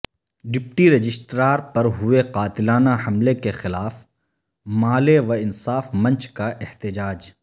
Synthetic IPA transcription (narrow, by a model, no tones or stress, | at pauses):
ɖɪp̚ʈiɾɐd͡ʒɪsʈɾaːɾpɐɾɦʊeqaːt̪ɪlaːnaɦɐmlekexɪlaːf | maːleʋɐɪnsaːfmɐ̃nt͡ʃkaʔɪht̪ɪd͡ʒaːd͡ʒ